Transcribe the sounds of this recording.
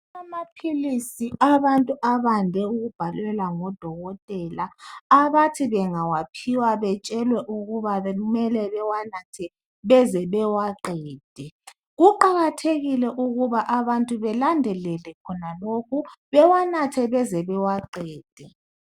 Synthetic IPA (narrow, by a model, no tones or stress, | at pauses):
amapʰilisiʔaβantʼuʔaβandʱɛuɣub̥ʱalwɛlaŋɔd̥ʱɔɣɔtʼɛlaːβatʰiβɛŋawapʰiwaβɛt͡ʃʼɛlwɛʔuɣuβaɣumɛlɛβɛwanatʰɛ | βɛzɛβɛwaǃɛːd̥ʱɛ | ɣuǃaɣatʰeɣilɛʔuɣuβaʔaβantʼuβɛlandʱɛlɛlɛkʰɔnalokʰuβɛwanatʰɛβɛzɛβɛwaǃɛːd̥ʱɛ